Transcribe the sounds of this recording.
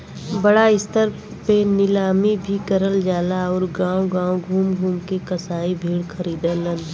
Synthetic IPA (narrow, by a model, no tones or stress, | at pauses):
bɐɽaɪst̪əɾ | penɪlaːmibʱikəɾəld͡ʒaːlaɔːɾɡãːõɡãːõɡʱuːmɡʱuːmkekɐsaːibʱeːɽkʰɐɾiːd̪ãlə̃n